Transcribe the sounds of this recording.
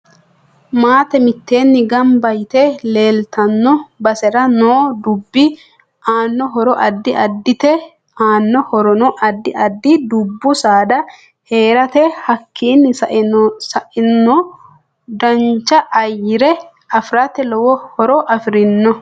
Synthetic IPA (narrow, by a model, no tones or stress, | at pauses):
maːt̪ɛmɪt̪ːe̞ːnːɪɡɐmbɐjt̪ɛle̞ːlt̪ɐnːɔbɐsɛɾɐnoːd̪ʊbːɪ | ʔaːnːɔɦɔɾɔʔɐd̪ːɪʔɐd̪ːɪt̪ɛ | aːnːɔhɔɾɔnɔʔɐd̪ːɪɐd̪ːɪd̪ʊbːʊsaːd̪ɐ | he̞ːɾɐt̪ɛhɐkʰːiːnːɪsɐʔsɐʔɪnːɔ | d̪ɐnt͡ʃːɐʔɐjːɪɾɛ | ɐfɾɐt̪ɛlɔwɔhɔɾɔʔɐfɾɪnːɔ